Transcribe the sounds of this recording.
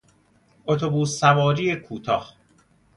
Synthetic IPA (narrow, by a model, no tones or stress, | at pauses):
ʔot̪ʰo̞buːsːævɒːɾiːekʰuːt̪ʰɒːh